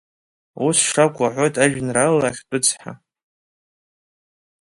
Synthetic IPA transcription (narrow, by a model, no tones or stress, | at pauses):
usʂakʷʼaħʷo̞jtʼʰaʒᶣnralaχʲt͡pʼʊt͡sʰħa̰